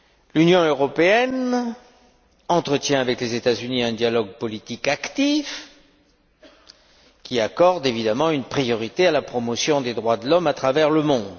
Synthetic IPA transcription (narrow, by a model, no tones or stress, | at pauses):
lynjɔ̃øʁɔpeɛn | ɑ̃t̪χət̪jɛ̃avɛklezet̪azyniɛ̃d̪jalɔɡ̚pɔlit̪ikakt̪if | kʲiakɔʁd̪evid̪amɑ̃ynpχijɔʁit̪ealapχɔmɔsjɔ̃d̪ed̪ʁwad̪əlɔmat̪χavɛʁləmɔ̃d̪